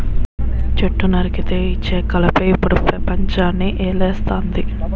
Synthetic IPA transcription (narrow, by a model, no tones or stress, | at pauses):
t͡ʃeʈːunɐɾikit̪eːit͡ʃːe̞ːkɐlɐpɐjipːuɽupɾɐpɐɲt͡ʃaːnːiʔeːlɛːst̪aːnd̪i